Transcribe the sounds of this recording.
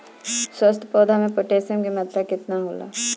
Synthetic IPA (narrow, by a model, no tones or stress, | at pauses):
swəst̪ʰpɔːd̪ʱamẽpoʈeːsəmkemɐt̪ɾəkɪt̪naɦoːla̰ː